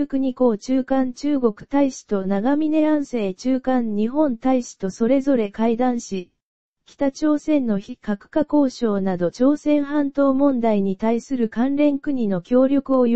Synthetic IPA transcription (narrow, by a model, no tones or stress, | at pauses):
kɯ̟ɲ̟iko̞ːt͡ɕɨːkãɲt͡ɕɨːɡo̞kɯ̟̥t̪aiɕi̥t̪o̞naɡamʲine̞ãɰ̃se̞ːt͡ɕɨːkãɲɲiɦõ̞nt̪aiɕi̥t̪o̞so̞ɾe̞zo̞ɾe̞kaid̪ãɰ̃ɕi | kʲi̥t̪at͡ɕo̞ːsẽ̞nːo̞çikakɯ̟̥kako̞ːɕo̞ːnad̪o̞t͡ɕo̞ːsẽ̞ɰ̃ɦãnt̪o̞ːmõ̞nd̪aiɲ̟it̪aisɨɾɯ̟kãnɾẽ̞ŋkɯ̟ɲ̟ino̞kʲo̞ːɾʲjo̞kɯ̟o